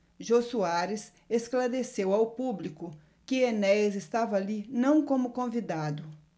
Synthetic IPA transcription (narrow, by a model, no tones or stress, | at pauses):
ʒosuaɾɪs | esklaɾesewawpublikʊ | kɪenɛzest̪avɐalinɐ̃w̃kõmʊkõvid̪ad̪ʊ